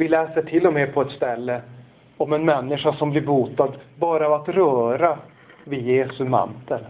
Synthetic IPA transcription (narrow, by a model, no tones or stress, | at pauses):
vɪlɛːsəʈʰɪlːɔmeːpʰɔɛt̪st̪ɛlːə | ɔmɛnmɛnːɪʂaʂɔmblɪɾbuːt̪ad̪bɑːɾaat̪ɾœːɾa | vɪjeːsɵma̰nt̪əl